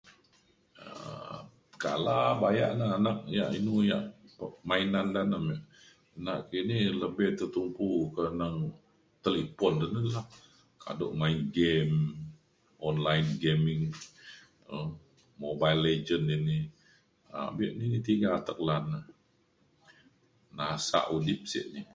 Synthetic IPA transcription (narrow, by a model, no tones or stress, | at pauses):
ə̰ | ka̰labaja̰ʔnəanak̚ja̰ʔinuja̰ʔəmainandanəmaʔ | naʔkiniləbɪht̪ət̪umpukənəŋ | t̪əlipɔndənəlah | ka̰do̰ʔmainɡɛm | ɔnlajnɡemɪŋ | ə | mobailed͡ʒəndini | a̰biʔninit̪iɡaːt̪ək̚lanə | nasa̰ʔudip̚sḭʔni